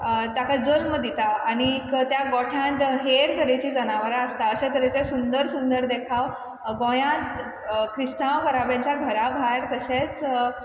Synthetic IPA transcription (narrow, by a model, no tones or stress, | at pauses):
t̪akad͡zəlməd̪it̪aːɽ̃ikt̪jaɡɔʈʰãt̪ɦeɾkəɾet͡ɕiːd͡zənaʋəɾaəst̪aəɕẽt̪əɾet̪esund̪əɾsund̪əɾd̪ekʰaʋ | ɡõjãt̪ | kʰɾist̪ãʋkəɾabjãɲt͡ɕjaɡʱəɾabʱajɾt̪əɕet͡s